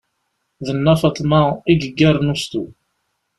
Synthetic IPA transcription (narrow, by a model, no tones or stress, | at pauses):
ðənːæfɑt̪ˤmɑiɡəɡːæɾnust̪u